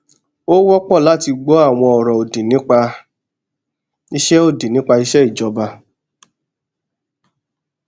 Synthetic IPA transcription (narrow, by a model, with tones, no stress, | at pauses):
o˦wɔ˦k͡pɔ˦˨la˨˦˨ti˧ɡ͡bɔ˨˦a˦˨w̃ɔ̃˧ɔ˨ɾɔ̃˨o˨di˨nĩ˦k͡pa˧ | i˧˦ʃɛ˦o˦˨di˨nĩ˨˦k͡pa˧i˧˦ʃɛ˦i˦˨d͡ʒɔ˨˧ba˧